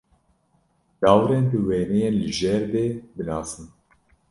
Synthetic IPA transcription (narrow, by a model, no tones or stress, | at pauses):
d̪̥ɑːwɾeːnb̪ɨweːnɛjeːnlɨʒɛɾd̪eːbɨnɑːsɨn